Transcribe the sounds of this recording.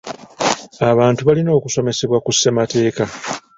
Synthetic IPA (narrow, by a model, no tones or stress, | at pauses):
aβaːntuβalino̞ːkuso̞me̞se̞βwakusːe̞mate̞ːka